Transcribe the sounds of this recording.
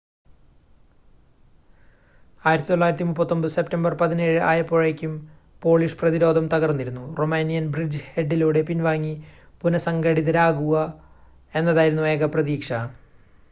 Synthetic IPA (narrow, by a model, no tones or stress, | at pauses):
aːjiɾɐt̪ːit̪oɭːaːjɾɐt̪ːimupːɐt̪ːo̞mbɨse̞ptɐmbɐrpɐðineːɻɨʔaːjɐpːo̞ːɻekʲːum | po̞ːɭiʂprɐðiɾo̞ːd̪ʱɐmt̪ɐɣɐrnːiɾunːuro̞meːnijɐnbrid͡ʑɨhe̞ɖːiluːɽe̞pinʋaːŋːi | punɐsɐŋɡɐɽiðɐɾaːɣuɣɐ | e̞nːɐðaːjiɾunːue̞ːɣɐprɐðiːkʂɐ